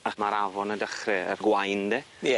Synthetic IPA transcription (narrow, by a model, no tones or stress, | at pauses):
amaɾavɔnədəχrɛə̰rɡwajndeː | ɛ